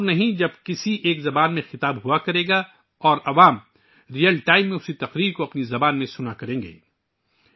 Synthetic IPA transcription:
nɐɦĩd͡ʒɐb̚kɪsiʔeːkzɐbaːnmẽxɪt̪aːbɦuakɐɾẽːɡa | ɔːɾɐʋaːm | ɾijəlʈaːɪmːẽʊsit̪ɐqɾiːɾkoɐpnizɐbaːnmẽsʊnakɐɾẽːŋɡḛː

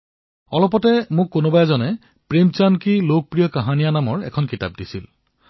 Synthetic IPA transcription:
ɔlɔpɔtɛmʊkːonobajzɔnɛ | pɹemt͡ʃankilok̚pɹijɔkaɦanijanamɔɹɛ̰kʰɔnkita̰p̚disil

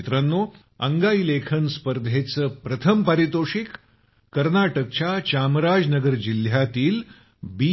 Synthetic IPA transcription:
t̪ɾanːo | əŋɡailekʰənspəɾd̪ʱet͡səpɾət̪ʰəmpaɾit̪oʂik | kːəɾnaʈək̚t͡ɕat͡ɕamɾad͡znəɡəɾd͡ʑil̤jat̪iːl | bi

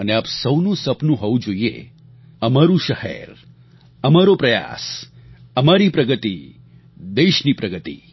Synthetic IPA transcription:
əneapsəwnũsəpnũɦoʋũd͡ʒoiḛ | əmaɾũʃəhɛ̰ɾ | əmaɾopɾəja̰s | əmaɾipɾəɡət̪i | d̪eʃnipɾəɡət̪ḭ

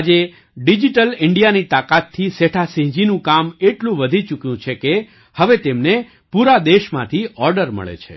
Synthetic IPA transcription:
ad͡ʒe | ɖid͡ʒiʈəlɪɳɖijanit̪akat̪ʰːiseʈʰasĩɦd͡ʒinũkameʈlũʋəd̪ʱit͡ʃukjũt͡ʃʰeke | həʋet̪emne | puɾad̪eʃmã̰t̪ʰiɔɾɖəɾmə̰ɭḛt͡ʃʰḛ

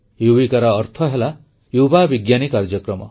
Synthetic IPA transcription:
jubikaɾɔːɾt̪ʰɔɦela | jubabiɡjanikaɾd͡ʒɔkɾɔmɔ

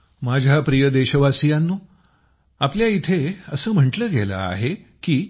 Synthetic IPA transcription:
mad͡ʑʱjapɾijəd̪eɕəʋasijanːuː | apljait̪ʰeəsəːm̤əɳʈləːɡelə̰a̰ɦekiː

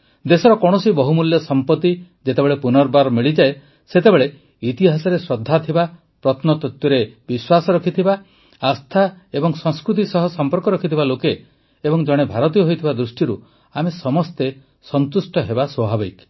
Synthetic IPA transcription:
d̪esɔɾɔkɔɽ̃ɔsibɔɦumuljɔsɔmpɔt̪ːi | d͡ʒet̪ebeɭepunɔɾbaɾmiɭid͡ʒae | set̪ebeɭe | it̪iɦasɔɾesɾɔd̪ʱːat̪ʰiba | pɾɔt̪ʰnɔt̪ɔt̪jɔɾebiswasɔɾɔkʰit̪ʰiba | ast̪ʰaebɔŋsɔŋ̃skɾut̪̬isɔɦɔsɔmpɔɾkɔɾɔkʰit̪ʰibalokeː | bɔŋd͡ʒɔɽ̃ebʱaɾɔt̪̬ijɔɦojt̪ʰibad̪ɾusʈiɾu | amesɔmɔst̪e | sɔnt̪usʈɔɦebaswɔbʱabik

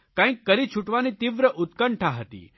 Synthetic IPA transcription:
kãikːəɾit͡ɕʰuʈʋanit̪iʋɾəʔut̪kəɳʈʰaɦət̪ḭː

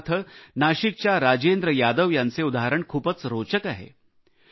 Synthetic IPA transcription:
t̪ʰənaːʃikt͡ʃaɾaːd͡ʒeːnd̪ɾəjaːd̪əʋjanseud̪aɦəɾəɳkʰuːpət͡sɾoːt͡ʃəkaɦɛ̰ː

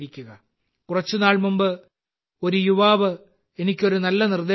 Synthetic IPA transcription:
ɾikʲːuɣɐ | kurɐt͡ɕːunaːɭmumbɨ | o̞ɾujuʋaːʋɨ | e̞nikʲːo̞ɾunɐlːɐnird̪eː

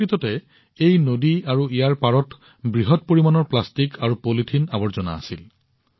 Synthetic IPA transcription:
ɹitɔtɛ | ejnodiaɹuijaɹpaɹɔt | bɹiɦɔt̚poɹimanɔɹplastikʰaɹupolitʰinabɔɹzɔna̰ːsil

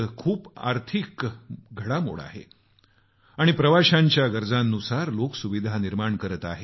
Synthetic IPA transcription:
kʰuːpa̰ɾt̪ʰikɡʱəɽamo̰ɽa̰ɦḛ | aɽ̃ipɾəʋaɕãɲt͡ɕjaɡəɾd͡zãnːusaɾloksuʋid̪ʱaniɾmaɳkəɾət̪aɦe

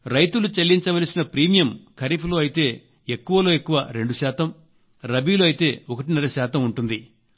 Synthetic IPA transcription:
ɾɐjt̪ulut͡ʃelːiɲt͡ʃɐʋɐlsinɐpɾiːmijɐmkʰɐɾipʰlo̞ːɐjit̪e̞ː | ekːuʋɐlo̞ːe̞kːuʋɐɾe̞ɳɖuʃaːt̪ɐm | ɾɐbiːlo̞ːɐjit̪e̞ːokɐʈinɐlɐʃaːt̪ɐmuɳʈund̪i

